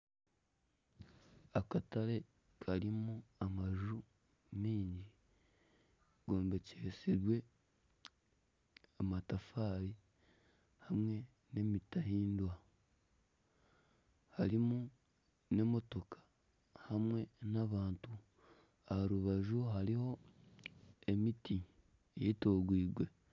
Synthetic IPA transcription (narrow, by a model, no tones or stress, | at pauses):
akataɾe̞ | kʰaɾimuamaʒu | miːɲɟi | ɡo̞ːmbe̞ceɾsiɾwe̞ | amatafaːɾi | hamwe̞ | ne̞mitahiːndwa | haɾimu | ne̞mo̞to̞kʰḁ | hamwe̞naβaːntu | ahaɾuβaʒuɦaɾiho̞ | e̞miti | eitoːɡwiːɡwe̞